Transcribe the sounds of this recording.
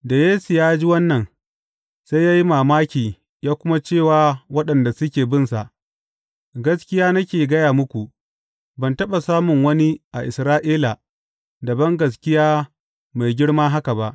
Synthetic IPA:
da˨jeː˦su˨jaː˦d͡ʒi˦wɐ˦nːɐ˨n | sa˦jaː˦ji˦maː˨maː˦kʲiː˨ | jaː˦kʷʊ˦ma˦t͡ʃeː˦˨waː˨˦wɐ˦ɗɐ˨nda˨sʊ˦kʲeː˨bɪ˦˨nsa˨ʔ | ɡɐ˦skʲɪ˦jaː˦nɐ˦kʲeː˨ɡɐ˦jaː˨mʊ˦kʷu˨ʔ | bɐ˨ntɐ˦ɓa˨saː˦mʊ˨ŋwɐ˦ni˦ʔa˨ʔɪ˨sɾaː˦ʔiː˦la˨ | dɐ˨bɐ˦ŋɡɐ˨s̬kʲɪ˦jaː˦ | ma˨jɡʲɪ˦ɽmaː˦ɦa˦ka˨ba˦ʔ

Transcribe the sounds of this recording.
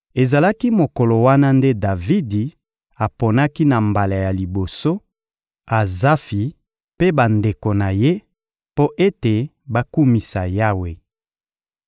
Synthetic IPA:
e˨za˨la˦ki˦mo˨ko˨lo˨wa˦na˦nde˦da˨vi˦di˨ | a˨po˨na˦ki˦na˨mba˨la˨ja˨li˨bo˨so˦ | a˨za˦fi˨ | pe˦ba˨nde˨ko˨na˨je˦ | po˦ʔe˦te˨ | ba˦ku˦mi˨sa˨ja˦we˨

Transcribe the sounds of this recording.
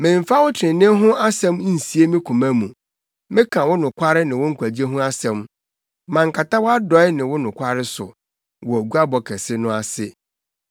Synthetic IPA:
mɪ̃˨ɱ˨fa˦wʊ˦tʰɾɪ̃˨nɪ̃˦ɦʊ̃˦ʔa˦sɛ̃˦m˦n̩˨si˨e˦mɪ̃˦kʰũ˨mã˦mũ˨ | mɪ̃˦kʰã˨wʊ˦nʊ̃˨kʰʷa˦ɾɪ˦nɪ̃˨wʊ̃˦ŋ̩˦kʷʰæ˨d͡ʑi˦e˦ɦʊ̃˦a˦sɛ̃˦m | mã˨ŋ̩˨kʰa˨ta˦wɔ˦a˦dɔ˨˦ɛ˦nɪ̃˨wʊ˦nʊ̃˨kʷa˦ɾɪ˦sʊ̰˨ | wɔ˨æ˨ɡu˦a˦bɔ˨kʰɛ˨sɪ˦nʊ̃˦a˨sɪ˦

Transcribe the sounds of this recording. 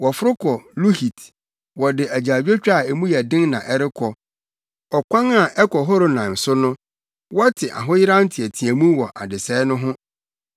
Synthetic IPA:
wɔ˨fʊ˦ɾʊ˦kʰɔ˨lu˦hi˨t | wɔ˨dɪ˨ʔæ˨d͡ʑa˨d͡ʑᶣe˦t͡ɕᶣa˦˨ɛ˨mũ˦jɛ˨dɪ̃˦ŋnã˨ʔɛ˦ɾɪ˦kʰɔ˨ | ɔ˨kʷã˦ŋa˨ʔɛ˦kʰɔ˨ɦɔ˦ɾo˦nã˨n˨sʊ˦nʊ̃˦ | wɔ˦tʰɪ˨ʔa̰˨ɦʊ̃˦jɪ˦ɾã˦n̩˦tʰɪ˨æ˨tʰi˨æ̃˨mũ˦wɔ˨ʔa̰˨dɪ˨sɛ˦nʊ̃˦ɦʊ̃˦

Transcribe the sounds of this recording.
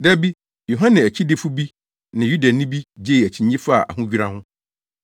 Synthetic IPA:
dæ˦bi˦ | jo˨ɦã˦nɪ̃˨æ˨t͡ɕʰi˦dɪ˦fu˦bi˦ | nɪ̃˨ju˦da˨nɪ̃˦bi˦d͡ʑe˦˨æ˨t͡ɕʰĩ˨ɲĩ˦fa˦˨ʔa̰˨hʊ̃˦d͡ʑᶣi˦ɾa˦hʊ̃˦

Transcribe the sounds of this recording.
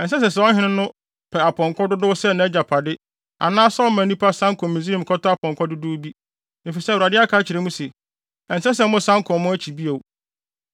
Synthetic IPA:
ɛ˨n̩˨s̬ɛ˦s̬ɛ˨s̬ɛ˨ɔ˦ɦɪ̃˦nɪ̃˦nʊ̃˦ | pʰɛ˨a˨pʰɔ̃˨ŋkʰɔ˦dʊ˦dʊ˦sɛ˦˨nã˨ɛ˦d͡ʑa˨pʰa˨dɪ˦ | a̰˨nãː˦sɔ˦mã˨nĩ˦pʰa˦sã˦ŋ˦kʰʊ̃˨mĩ˨z̬i˦ĩ˨m˨kʰɔ˦tʊ˦a˦pʰɔ̃˨ŋkʰɔ˦dʊ˦dʊ˦bi˦ | nɪ˨fi˨sɛ˦˨wu˨a˨dɪ˦a˦kʰaː˦t͡ɕʰɪ˨ɾɛ˦mũ˦sɛ˨ | ɛ˨n̩˨sɛ˦s̬ɛ˨˦mʊ̃˦sã˦ŋkʰʊ̃˨mʊ̃˦æ˦t͡ɕʰi˨bi˦e˨w

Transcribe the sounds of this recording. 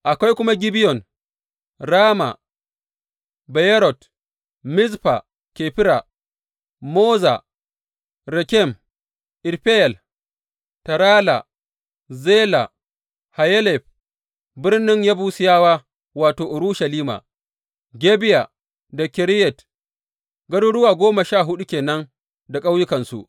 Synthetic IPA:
ʔa˨kʷa˦jkʷʊ˦ma˦ɡʲɪ˦bɪ˦jɔ˨n | ɾaː˦ma̰˨ | bɛ˨jɛ˦ɾɔ˨t | mɪ˦zɸa̰˨ | ke˨ɸɪ˦ɾa̰˨ | moː˦za̰˨ | ɾɛ˨kʲɛ˦˨m | ʔɪ˨ɾɸɛ˦jɛ˨l | tɐ˨ɾaː˦la̰˨ | zeː˦la˨ | ha˨jɛ˦lɛ˨ɸ̚ | bɪ˦rnɪ˦ŋjaː˦buː˦sɪ˦jaː˦waː˦ | waː˨toː˨ʔʊ˨ɾu˦ʃɐ˨liː˦ma̰˨ | ɡʲe˦bɪ˦ja̰˨ | da˨kʲɪ˨ɾɪ˦jɛ˨t | ɡɐ˦du˦ɽʊ˦waː˨ɡʷoː˦ma˨ʃaː˦˨ɦʊ˦ɗu˦kʲeː˨nɐ˦ŋ | da˨kʼa˦wjʊ˦kɐ˨nsṵ˨ʔ

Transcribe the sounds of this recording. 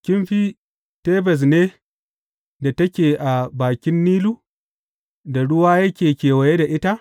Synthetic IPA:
kʲɪ˦mɸi˦ | teː˦bɛ˨s̬neː˦ | da˨tɐ˦kʲeː˨ʔa˨baː˨kʲɪ˦nːiː˦luː˦ | da˨ɽʊ˦waː˦jɐ˦kʲeː˨kʲeː˨wɐ˨je˦da˨ʔɪ˦ta˦ʔ

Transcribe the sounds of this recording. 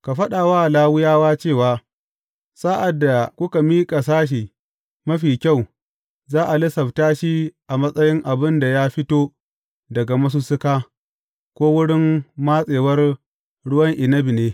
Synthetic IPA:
ka˨ɸɐ˦ɗa˨waː˦˨laː˦wʊ˦jaː˦waː˦t͡ʃeː˦˨waː˦ | saː˦ʔa˨dːa˨kʷʊ˦ka˨miː˦kʼa˨s̬aː˦ʃ̬iː˨ | mɐ˦ɸiː˨kʲa˦˨w | zaː˦ʔa˨lɪ˦sɐ˨btaː˦ʃi˦ʔa˨mɐ˦sʼɐ˦jɪ˦ŋʔa˨bɪ˦nda˨ja˦ɸɪ˦toː˦ | dɐ˨ɡa˨mɐ˦s̬u˦sʊ˦kaː˦ | kʷoː˦wʊ˦ɽɪ˦mːa˦sʼeː˨wɐ˦r | ɽʊ˦wɐ˦ŋʔɪ˨nɐ˦bi˨neː˦

